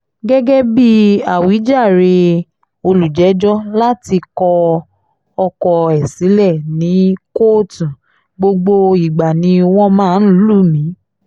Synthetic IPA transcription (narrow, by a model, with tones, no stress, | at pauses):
ɡɛ˦ɡɛ˦bi˦a˨wi˨˦d͡ʒa˦˨ɾe˧ | o˧lu˨d͡ʒɛ˨˦d͡ʒɔ˦la˦ti˧kɔ˧ | ɔ˧kɔ˧ɛ˨si˨˦lɛ˦˨nĩ˨˦ko˦˨tũ˨ | ɡ͡bo˧ɡ͡bo˧i˨ɡ͡ba˨nĩ˧˦˧w̃ɔ̃˦mãː˦˧n̩˦lu˦˨mĩ˨˦